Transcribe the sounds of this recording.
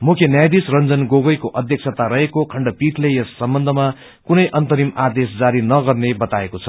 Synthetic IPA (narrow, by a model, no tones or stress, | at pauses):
mukʰjenjajd̪isrʌnd͡zʌnɡoɡʌjkoʔʌd̪ʱjʌk̚t͡sʰat̪aɾʌɦekokʰʌɳɖʌpiʈʰlejʌsːʌmbʌnd̪ʱʌma | kunʌjʔʌnt̪ʌɾimad̪esd͡zaɾinʌɡʌrnebʌt̪aekot͡sʰʌ̥